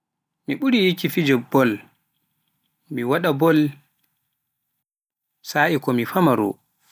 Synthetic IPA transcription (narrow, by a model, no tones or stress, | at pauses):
miɓuɾijikifid͡ʒɔbɔl | miwaɗabɔl | saːʔikɔmifamaɾṵ